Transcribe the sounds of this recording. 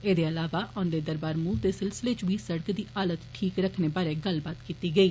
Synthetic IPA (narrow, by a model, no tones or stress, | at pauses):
eːd̪eːəlaːʋaːʔɔ̃ːnd̪eːd̪əɾbaːɾmuːd̪eːsɪlsɪleːt͡ʃʋiːsəɽəkd̪iːʔaːlət̪ʈʰiːkɾəkʰneːbaːɾeːɡəlbaːt̪kiːt̪iːɡəiː